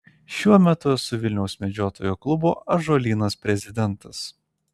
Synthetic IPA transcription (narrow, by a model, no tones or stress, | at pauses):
ʃʲuɔmʲɛt̪ʊsʊʋʲɪlʲnʲɛʊsʲmʲɛd͡ʒʲoːt̪oːjoklˠʊboːʔɐʒoːlʲiːnɐspʲɾʲɛzʲɪd̪ʲɛnˑt̪ɐs